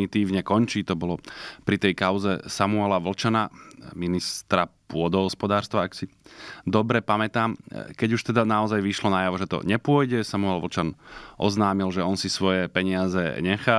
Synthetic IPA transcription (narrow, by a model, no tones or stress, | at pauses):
nit̪iːʋɲɛkɔɲt͡ʃiːt̪ɔbɔlɔpɾit̪ɛjkaʊzɛsamuɛlaʋl̩t͡ʃanaminist̪ɾapʊɔd̪ɔɦɔspɔd̪aːɾst̪ʋaaksid̪ɔbɾɛpamɛt̪aːmkɛɟuʃt̪ɛd̪anaɔzajʋiʃlɔnajaʋɔʒɛt̪ɔ̰ɲɛpʊɔjɟɛsamuɛlʋl̩t͡ʃanʔɔ̰znaːmilʒɛɔnsisʋɔjɛpɛɲɪazɛ̰ɲɛxa